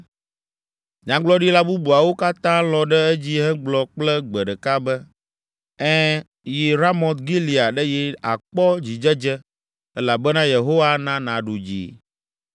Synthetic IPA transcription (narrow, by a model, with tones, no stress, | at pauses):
ɲã˦ɡ͡blɔ˦ɖi˦la˦bu˦bu˨a˨wo˦ka˦t̪ã˦lɔ̃˨ɖɛ˦ɛ˦d͡ʑi˦ɦɛ̃˦ɡ͡blɔ˨k͡plɛ˦ɡ͡bɛ˨ɖɛ˨ka˦bɛ˦ | ɛ̃˦ | ji˨ɾa˦mɔ̃˨t̪ɡi˦li˨a˨ɖɛ˦ji˨a̰˨k͡pɔ˦d͡ʑi˨d͡ʒɛ˦d͡ʒɛ˦ | ɛ˦la˨bɛ˦nã˦je˨ɦo˦wa˦nã˦nã˨ɖu˨d͡ʑḭ˨